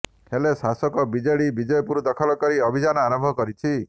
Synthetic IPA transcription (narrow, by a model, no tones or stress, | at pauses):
helesasɔkɔbid͡ʒeɭibid͡ʒɔjɔpuɾud̪ɔkʰɔlɔkɔɾiɔbʱid͡ʒanɔaɾɔmbʱɔkɔɾit͡ʃʰi